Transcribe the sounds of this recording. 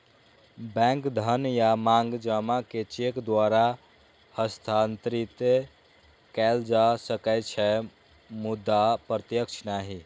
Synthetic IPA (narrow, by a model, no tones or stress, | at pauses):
bɛ̃ŋkd̪ʱənjamaŋɡd͡ʒamaket͡ʃekd̪waɾa | həst̪ʰant̪ɾit̪e | kɛld͡ʒasəkɛɪt̪t͡ʃʰɛ | mud̪ːapɾət̪jəkt͡ʃʰnaɦi